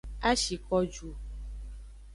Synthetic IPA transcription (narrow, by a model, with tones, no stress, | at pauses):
a˦ʃi˨kɔ˦d͡ʒu˨